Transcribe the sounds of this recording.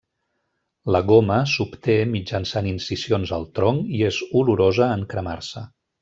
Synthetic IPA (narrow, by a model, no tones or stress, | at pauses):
ləɣoməsupt̪emid͡ʒənsaninsisionzəlˠt̪ɾoŋiezuluɾozəːŋkɾəma̰rsə